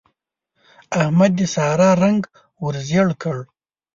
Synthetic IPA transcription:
ahmad̪ːəsɑɾɑɾaŋɡ | wəɾzjəɽkəɽ

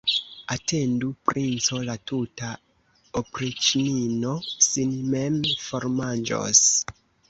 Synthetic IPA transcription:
atendupɾint͡so̞latuta | opɾit͡ʃininosinmemfoɾmand͡ʒo̰s

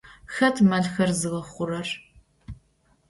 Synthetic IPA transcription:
xɐtʰmɐɮxɐrzɨʁɐχʷʊrɐr

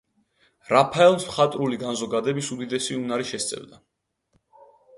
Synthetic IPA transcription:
ɾapʰaɛlˠmsmχat̪ʼɾuliɡanzɔɡad̪ɛbisud̪id̪ɛsiunaɾiʃɛst̪sʼɛ̰vd̪a

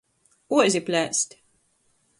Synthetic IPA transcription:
uzʲiplʲɛst̪ʲ

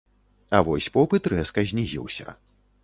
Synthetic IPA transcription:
ɐvɔsʲpɔpɨt̪ɾɛskɐzʲnʲiɣʲḭwsʲɐ̰

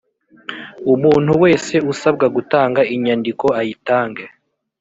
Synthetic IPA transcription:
umuːn̥huwe̞ːse̞usabɡaɡutaːŋɡaʔiɲandiko̞ajitaːŋɡe

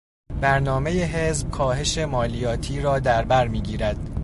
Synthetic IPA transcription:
b̥æɾnɒːme̞jeɦe̞zb̥̚kʰɒːɦe̞ʃe̞mɒːlijɒːt̪ʰiːɾɒːd̪æɾbæɾmiːɟiːɾæd̪̥

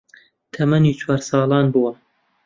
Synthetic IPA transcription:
t̪ʰɐmɐniːt͡ʃʰwɑːɾsɑːlˠɑːnbuwɐ

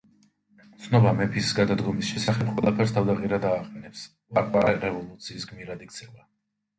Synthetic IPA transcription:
t̪sʰnɔbamɛpʰisɡad̪ad̪ɡɔmisʃɛsaχɛpqʼwɛlˠapʰɛɾst̪ʰavd̪aqʼiɾad̪aːqʼɛnɛps | vaɾqʼwaɾɛɾɛvɔlˠut̪sʰiːsɡmiɾad̪ikt̪sʰɛva

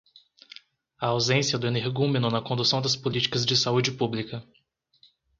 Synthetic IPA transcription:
ɐawzẽsiɐd̪ʊẽneɾɡũmẽnʊnɐkõnd̪usɐ̃w̃d̪ɐspolit͡ʃi̥kɐzd͡ʒɪsaud͡ʒɪpublikɐ

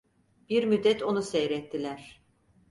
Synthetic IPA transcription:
b̥iɾmyd̪ːɛt̪ʰo̞nusɛjɾɛt̪ʰːilʲæɾ̥

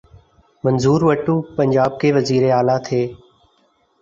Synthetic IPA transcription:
mənzuːɾʋəʈũːpəɲd͡ʒaːb̚keːʋəziːɾeːaːlaːt̪ʰeː

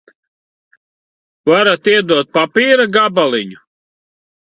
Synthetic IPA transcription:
vaɾat̪iɛd̪uɔt̪̚papiːɾaɡabalˠiɲu

